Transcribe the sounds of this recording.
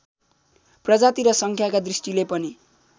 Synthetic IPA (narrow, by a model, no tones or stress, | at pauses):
prʌd͡zat̪iɾʌsʌŋkʰjakad̪risʈilepʌni